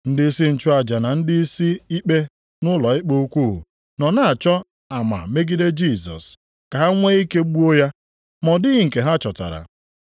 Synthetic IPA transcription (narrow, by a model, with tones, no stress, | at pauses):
n̩˦dɪ˦i˦si˦n̩˨t͡ʃʊ˦a˨d͡ʒa˨na˨n̩˦dɪ˦i˦si˦i˦k͡pe˦ | nʊ˦lɔ˨ɪ˦k͡po˦u˦kʷu˦˨ɦṵ˨ | nɔ˨na˨a˨t͡ʃɔ˦ | a˨ma̰˨me˦ɡi˦de˦d͡ʒi˦˨sɔ̰˨s | ka˨ɦa˦ŋʷe˦i˦ke˦ɡ͡bu˦o˦ja˦ | mɔ˨dɪ˦ɣɪ˨ŋ̩˨ke˨ɦa˦t͡ʃɔ˨ta̰˨ɾa̰˨